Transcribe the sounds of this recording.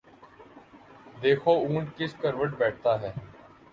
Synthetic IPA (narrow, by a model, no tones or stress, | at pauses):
d̪eːkʰoːuːɳʈkɪskəɾʋəʈbɛːʈ̚ʰt̪aːɦɛː